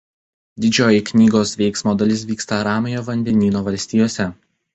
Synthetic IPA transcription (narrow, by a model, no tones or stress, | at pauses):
d̪ʲɪd͡ʒʲoːjɪknʲiːɡoːsʋʲɛɪksmoːd̪ɐlʲɪs̬ʋʲiːkst̪ɐɾɑːmʲɪjoːʋɐnʲd̪ʲɛnʲiːnoːʋɐlʲsʲt̪ʲiːjoːsʲɛ